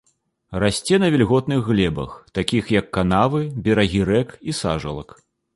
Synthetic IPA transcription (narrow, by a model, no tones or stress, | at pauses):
rasʲt͡sʲɛnɐvʲɛlʲɣɔt̪nɨɣːlʲɛbɐ̰xt̪akʲixjɐkːan̪avɨbʲɛɾɐɣʲiɾɛkisa̰ʐɐ̰lˠɐ̰k